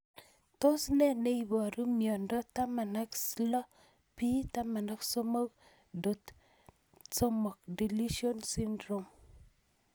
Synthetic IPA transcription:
t̪o˦snɛ˦ne˦i˨bɔ˨ɾu˦mjɔ˨ndɔ˦ta˦ma˨na˦kslɔ˦ | pi˦ta˦ma˨na˦kso˦mɔ˦k | do˨t | so˦mɔ˨kdi˨li˦ʃio˦nsi˦ndɾo˨m

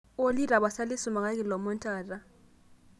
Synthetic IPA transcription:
o˦li˦ra˨ɓa˨sa˦li˦su˨ma˨ŋa˦k̬ʼɛ˦˨lɔ˨mɔ˦ntʼaː˨ra˦

